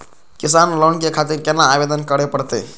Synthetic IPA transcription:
kisanlonkekʰat̪iɾkenːaːbed̪ənkəɽepəɽt̪ḛ

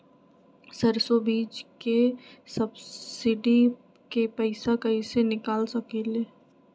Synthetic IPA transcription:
sɐɾsobiːd͡ʒkesɐbsɪɖi | kepɛɪsakɐɦisenɪkaːlsɐkeleː

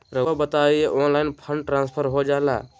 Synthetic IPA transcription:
ɾəbət̪aieʔonlaɪnpʰəɳɖʈɾãnspʰəɾɦod͡ʒala̰

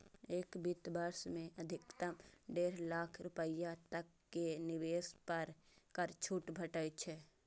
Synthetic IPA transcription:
eːkbit̪bəɾsmẽəd̪ʱɪkt̪əmɖeːɾlaːkʰɾʊpəjat̪əkːenɪweːspəɾkəɾt͡ʃʰuːʈbʱəʈəjt͡ʃʰɛ

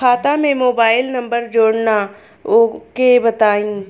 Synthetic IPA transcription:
aːt̪amẽmoːbaːɪlnɐ̃mbəɾd͡ʒoːɽna | okebɐt̪aːĩː

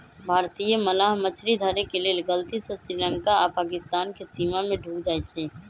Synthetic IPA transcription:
bʱaːɾt̪ijəməlaːɦmət͡ʃʰɾid̪ʱəɾekeleːlɡəlt̪isesɾilə̃ŋkapaːkɪst̪aːnkesiːmamẽɖʱuːkd͡ʒaːet͡ʃʰiː

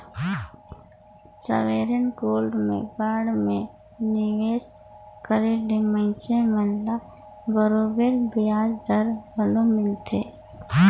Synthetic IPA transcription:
sə̰ʋeɾənkoːlɖmḛ̃baːɽmẽ | nɪʋeːs | kəɾeɖemə̃ɪ̃semənla | bəɾobeɾbɪjaːd͡ʒd̪əɾbəlomɪlt̪ʰḛː

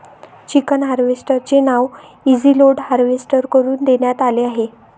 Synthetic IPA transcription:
t͡ɕikənɦaɾʋesʈəɾt͡ɕenaʋ | id͡ziloɽɦaɾʋesʈəɾkəɾuːnd̪eɳjat̪aleaɦe

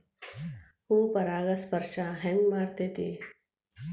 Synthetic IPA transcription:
huːpɐɾaːɡɐspəɾʃaɦɛŋɡmaːɾt̪eːt̪ḭː

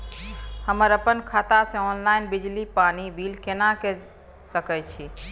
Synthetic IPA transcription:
həməɾəpənkʰat̪asẽɔnlaɪnbid͡ʒlipanibilkenake | səkɛt͡ʃʰi

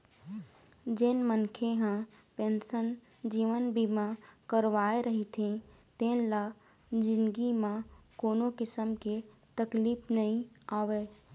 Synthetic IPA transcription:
d͡ʒɪnmənkʰeɦã | pẽːnsən | d͡ʒiːʋənbimãkəɾʋaːeɾəɦit̪ʰĩ | t̪ẽnla | d͡ʒɪ̃nɡimãkoːnokɪsəmke | t̪əkliːpnəɦĩ | aːʋeː

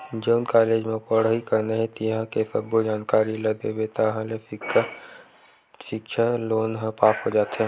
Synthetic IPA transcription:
d͡ʒoːnkaːleːd͡ʒmẽpəɽ̤ɦikɐɾnaɦɛ̃t̪ijɦãkesəbod͡ʒaːnkaːɾiləd̪ebet̪aɦãle | ʃɪkʃʰaloːnɦə̃paːpɦod͡ʒaːt̪ɦɛ̃ː

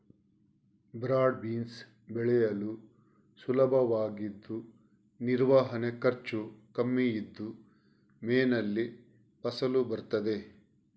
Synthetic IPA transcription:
bɾaːɖ̚biːns | bɛɭɛjɐlu | sulɐbʱɐʋaːɡid̪ːu | niɾʋaːɦɐne̞kɐɾt͡ʃukɐmːijid̪ːu | meːnɐlːi | pɐsɐlubɐɾt̪ɐd̪e̞

